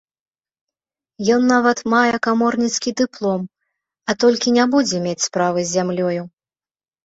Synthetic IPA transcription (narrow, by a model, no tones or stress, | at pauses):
jɔnːavɐt̪majɛkamɔrnʲit̪skʲid̪ɨplˠɔm | ɐt̪ɔlʲkʲinʲɛbud͡zʲɛmʲet͡sʲspɾavɨzʲːamlʲɔju